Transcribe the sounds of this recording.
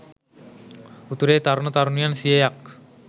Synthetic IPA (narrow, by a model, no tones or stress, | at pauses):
ut̪uɾeːt̪aɾnət̪aɾunujansijejak